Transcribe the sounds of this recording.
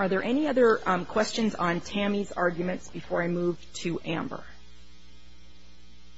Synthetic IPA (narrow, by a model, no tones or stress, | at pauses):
ə˞ðə˞ʔɛniʌðə˞kʰw̥ɛst͡ʃɨ̃nzn̩tʰæ̃mizɑ̰ɹɡjmɨ̃ntsb̥ɨfɔɹaɪmuv̥tʰɨʔæ̃mbə̰˞